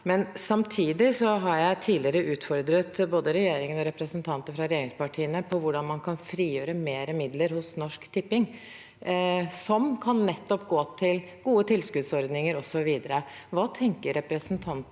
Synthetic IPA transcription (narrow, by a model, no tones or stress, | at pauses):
mɛnsɑmt̪ʰiːd̪ɪsɔɦɑɾjæɪt̪ʰiːlɪəɾəʔʉːt̪fɔɾd̪ɾət̪boːd̪əɾɛjeːɾɪŋənɔɾɛpɾəsənt̪ʰɑnt̪əfɾɑɾɛjeːɾɪŋspɑʈʰiːənəpʰɔʋʊɖɑnmɑnkʰɑnfɾiːjøːɾəmeːɾəmɪd̪ləɾhʊsnɔʂkt̪ʰɪpːɪŋ | sɔmkʰɑnːɛt̪ːɔpɡoːt̪ʰɪl | ɡ̥uːət̪ʰɪlskʉd̪sɔɾd̪nɪŋəɾɔsɔʋiːd̪əɾə | ʋɑːt̪ʰɛŋkəɾɛpɾəsnt̪ʰɑnt̪